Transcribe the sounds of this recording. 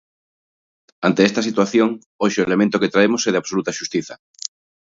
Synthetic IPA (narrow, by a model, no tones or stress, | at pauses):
ant̪eest̪ɐsit̪waθjoŋ | oʃoelemẽnt̪ʊket̪ɾaemoseɛð̞aβsolut̪aʃust̪iθɐ